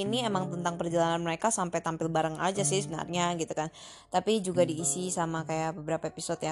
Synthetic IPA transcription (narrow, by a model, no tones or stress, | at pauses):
iniemaŋt̪ənt̪aŋpərd͡ʒalananməɾekasampajt̪ampɪlbaɾaŋa̰d͡ʒasɪhsəbənə̰rɲaɡit̪ukan | t̪apid͡ʒuɡadiːsisamakajabəbəɾapaepisɔt̪ja